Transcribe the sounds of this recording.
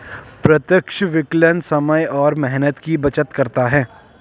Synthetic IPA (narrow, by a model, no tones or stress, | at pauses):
pɾɐt̪jəkʃʋɪklənsɐməjɔːɾmɛɦnət̪kibɐt͡ʃət̪kɐɾt̪aɦɛː